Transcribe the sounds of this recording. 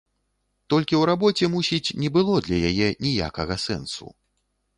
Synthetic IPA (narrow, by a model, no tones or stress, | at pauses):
t̪ɔlʲkʲiwɾabɔt͡sʲɛmusʲit͡sʲnʲɛbɨlˠɔd̪lʲɐjajɛnʲija̰kɐɣɐsɛ̰nsṵ